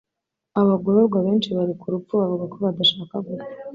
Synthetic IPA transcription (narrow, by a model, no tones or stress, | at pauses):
aβaɡoɾoɾɡwaβe̞ːnt͡ʃiβaɾikuɾufuβavuɡako̞βad̪aʃaːkaɡuɾ